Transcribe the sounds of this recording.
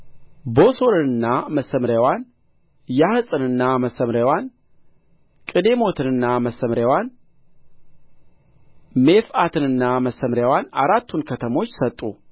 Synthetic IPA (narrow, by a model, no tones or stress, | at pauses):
bo̞so̞ɾɨnɨnːaməsəmɾjawan | jahɨsʼɨnɨnːaməsəmɾjawan | kʼɨd̪e̞mo̞t̪ʰɨnɨnːaməsəmɾjawan | me̞fat̪ʰɨnɨnːaməsːəmɾjawanaɾat̪ʰːunkʰət̪ʰəmo̞t͡ʃːsət̪ʼːu